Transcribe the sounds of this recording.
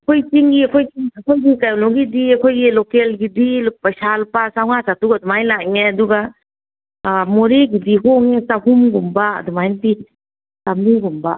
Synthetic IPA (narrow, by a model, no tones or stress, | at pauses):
kʰojt͡ʃiŋɡiɐkʰojiakʰojɡikajɔnɔɡidiɐkʰojɡilokelɡidilpasalpasawŋasatukadumajlakŋeaduɡa | moɾeɡidiɦɔŋesahumɡumbaɐ̰dumajnati | tamniɡumba